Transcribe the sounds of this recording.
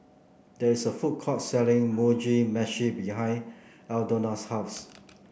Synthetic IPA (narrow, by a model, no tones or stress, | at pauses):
dɛisəfut̚kʰɔtsɛlɪ̃ŋmud͡ʒimɛʃibihãɪ̃n | ɛldonashaʊs